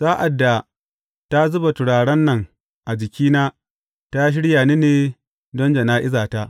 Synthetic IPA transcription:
zaː˦ʔa˨dːa˨ | ta˦zʊ˦ba˨tʊ˨ɽaː˨ɽɐ˦nːɐ˨ŋ | ʔa˨d͡ʒɪ˨kʲiː˦naː˦ | ta˦ʃ̬ɪ˦ɽjaː˨niː˦neː˨ | dɔ˦nd͡ʒɐ˨naː˦ʔɪ˦zaː˨ta˦ʔ

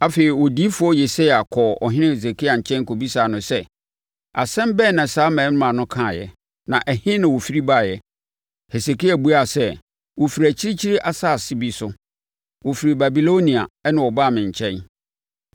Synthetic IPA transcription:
a˨feː˨ɾi˨wɔ˨di˦fʊ˦ɔ˦je˨se˦a˨kʰɔ˨ɔ̰˨ɦɪ̃˦nɪ̃˦he˨s̬e˨kʰi˦a˨ɲ̩˨t͡ɕʰɛ̃˦nkʰo˨bi˦saː˨nʊ̃˨sɛ˦ | a̰˨sɛ̃˦mbɛ˦˨nã˨saː˨˦mɛ̃ː˨˦nʊ̃˦ã˨nʊ̃˦kʰã˦˨jɛ̰˨ | nã˨ʔɛ˨hɪ̃˦nã˨wo˨fi˦ɾi˦ba˦˨jɛ˨ | he˨se˨ki˦a˨bu˦a˨sɛ˦ | wo˨fi˨ɾæ˨t͡ɕʰi˦ɾi˦t͡ɕʰi˦ɾi˦ʔa˨sa˦˨sɪ˦bi˨sʊ˦ | wo˨fi˨ɾi˨ba˨bi˨lo˦nĩ˨a̰˨ɛ˦nã˨wɔ˨ba˦˨mɪ̃˨ɲ̩˨t͡ɕʰɛ̃˦n

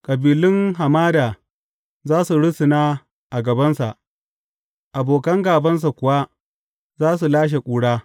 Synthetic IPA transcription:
kʼɐ˨biː˨lɪ˦ŋɦa˨maː˦daː˨ | zaː˦su˨ɽʊ˦sɪ˨naː˦ | ʔa˨ɡɐ˨bɐ˦nsa̰˨ʔ | ʔa˨boː˨kɐ˦ŋɡaː˨bɐ˦ns̬a˨kʷʊ˨wa˦ | zaː˦su˨laː˦ʃ̬e˨kʷʼuː˨ɽaː˦

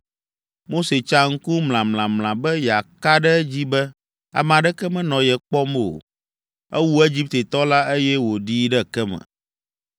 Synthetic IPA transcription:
mo˦se˨t͡ʃa˦ŋ̩˦ku˦ml̃ã˨mlã˨mlã˨bɛ˦ja˨ka˦ɖɛ˦d͡ʑi˦bɛ˦ | a̰˨m˨a˨ɖɛ˦kɛ˦mɛ̃˦nɔ̃˨jɛ˨k͡pɔ˦m˦˨o̰˨ | ɛ˦wu˦e˦d͡ʑi˦p̚t̪e˨t̪ɔ˦la˦e˦jɛ˦wo˨ɖiː˦ɖɛ˦kɛ˦mɛ̰̃˨

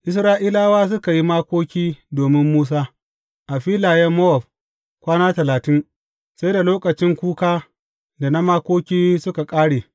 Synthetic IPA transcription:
ʔɪ˦sɾaː˦ʔiː˦laː˦waː˦s̬ʊ˦ka˨ji˦maː˦kʷoː˦kʲiː˦doː˨mɪ˦mːuː˦s̬aː˦ | ʔa˨ɸiː˦laː˨jɛ˦mːo˦ɔ˨ɸ | kʷaː˦naː˦tɐ˨laː˨tɪ˦n | sa˦jda˨loː˦kɐ˨t͡ʃɪ˦ŋkʷuː˦kaː˦ | da˨na˦maː˦kʷoː˦kʲiː˦sʊ˦ka˨kʼaː˦ɽeː˨

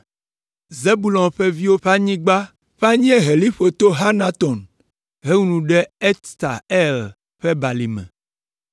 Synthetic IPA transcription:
ze˦bu˨lɔ̃˨nɸɛ˦vi˦wo˦ɸa˦ɲĩ˦ɡ͡ba˦ | ɸa˦ɲĩ˦e˦ɦe˨li˦ɸo˨t̪o˦ɦa˦nã˦t̪ɔ˨n | ɦe˦ŋu˦nũ˨ɖɛ˦ɛ˦t̪t̪a̰˨ɛ˦l | ɸɛ˦ba˨li˨mɛ̰̃˨

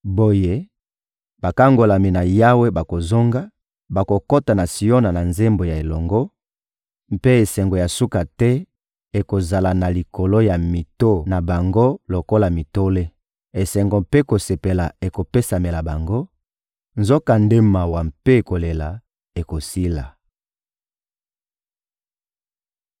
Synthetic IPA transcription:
bo˦je˦ | ba˨ka˦ŋɡo˨la˨mi˨na˨ja˦we˦ba˨ko˨zo˦ŋɡa˦ | ba˨ko˨ko˦ta˨na˨si˨o˦na˨na˨nze˦mbo˨ja˨e˨lɔ˨ŋɡo˦ | m˦pe˦e˨sɛ˨ŋɡo˨ja˨su˦ka˨tɛ˦ | e˨ko˨za˨la˨na˨li˨ko˨lo˦ja˨mi˨to˦˨na˨ba˨ŋɡo˦lo˨ko˦la˨mi˨to˦le˦ | e˨sɛ˨ŋɡo˨mpe˦ko˨se˨pe˨la˨e˨ko˨pe˦sa˨me˨la˨ba˨ŋɡo˦ | nzo˦ka˨nde˦ma˨wa˨mpe˦e˨ko˨le˨la˨ | e˨ko˨si˦la˨

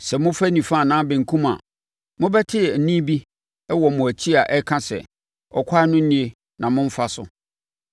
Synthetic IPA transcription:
sɛ˨mʊ̃˦fæ˦nĩ˨fã˦˨nãː˦bɛ̃˨ŋ̩˨kʰũ˦ma̰˨ | mʊ̃˦bɛ˦tʰɪ˦˨n̩˨nĩ˦bi˦ | ɛ˦wɔ˨mʊ̃˨æ˨t͡ɕʰi˦a˨ʔɛ˦kʰã˦sɛ̰˨ | ɔ˨kʷʰa˦nʊ̃˦n̩˦nĩ˦e˦ | nã˨mʊ̃˦ɱ̩˦fa˦sʊ̰˨

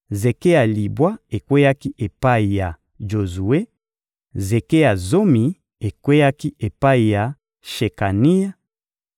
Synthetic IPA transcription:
ze˨ke˦ja˨li˨bwa˦e˨kwe˦ja˦ki˦ʔe˨pa˦i˨ja˨ | ʒo˨zu˨e˦ | ze˨ke˦ja˨zo˦mi˨ | e˨kwe˦ja˦ki˦ʔe˨pa˦i˨ja˨ | ʃe˨ka˨ni˦ja˦

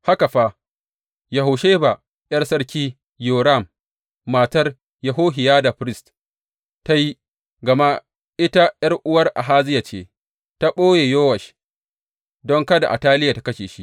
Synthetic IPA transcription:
ha˦ka˨ɸa˦ | jɐ˨ɦa˨ʃeː˦ba˨ | ʔjɐ˦rsɐ˦rkʲiː˦ | joː˨ɾa˦˨mː | aː˨tɐ˦r | jɐ˨ɦoː˦ɦɪ˨jaː˦da˨ɸɾɪ˦st | ta˦ji˦ | ɡɐ˨ma˦ | ʔɪ˦ta˦jɐ˦rʔʊ˦wɐ˦rʔa̰˨ɦaː˦zɪ˦ja˨t͡ʃḛː˦ | ta˦ɓoː˦jeː˨joː˦wɐ˨ʃ | dɔ˦ŋkɐ˦da˨ʔa̰˨taː˦lɪ˦ja˨tḁ˨˦kɐ˦ʃeː˨ʃi˦ʔ

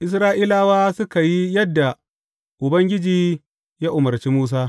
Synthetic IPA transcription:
ʔɪ˦s̬ɾaː˦ʔiː˦laː˦waː˦sʊ˦ka˨ji˦jɐ˦dːa˨ | ʔʊ˨bɐ˦ŋɡʲɪ˦d͡ʒiː˨ | ja˦ʔʊ˨mɐ˨ɾt͡ʃiː˦muː˦s̬aː˦

